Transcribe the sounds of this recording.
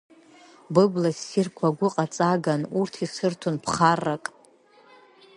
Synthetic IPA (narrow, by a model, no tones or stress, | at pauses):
bɨblasːirkʷʰaɡʷʊqʼat͡sʼaɡanurtʰisɨrtʰunpʰχarːakʼ